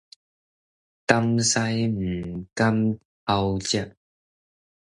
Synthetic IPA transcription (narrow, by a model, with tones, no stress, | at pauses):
kɐ˥msa˧˥jm̩˨˩kɐ˦˥m | a˧wt͡ɕɛ˥p̚